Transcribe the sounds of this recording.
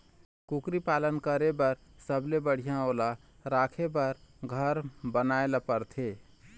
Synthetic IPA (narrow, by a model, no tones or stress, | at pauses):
kukɾipaːlənkəɾebəɾ | səblebəɽ̤ijãoːla | ɾaːkʰebəɾɡʱəɾbənaːelapəɾt̪ʰeː